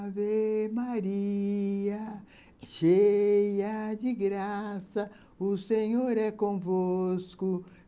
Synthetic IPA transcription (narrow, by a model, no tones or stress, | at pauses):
vemaɾi | ɐ | ʃejɐd͡ʒiɡɾasɐ | useɲoɾɛkõvoskʊ